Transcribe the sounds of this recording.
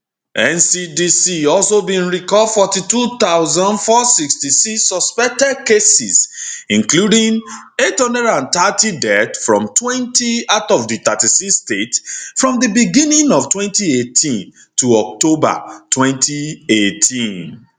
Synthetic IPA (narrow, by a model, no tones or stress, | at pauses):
ʔɛ̃nsidisiɔlsobĩnɹikɔdfɔtitut̪aʊzãndfɔsikstisiksɔspɛk̚tɛd̚kesisĩnkludĩŋ | ethʌ̃ndɛdãntatidɛtfɹɔ̰̃mtʰwɛ̃ntʰiatɔvditatisikstetfɹɔ̃mdəbiɡĩnĩŋɔv̥twɛ̃ntietʰĩn | tʰuɔk̚toba̰tʰwɛ̃ntʰietʰĩn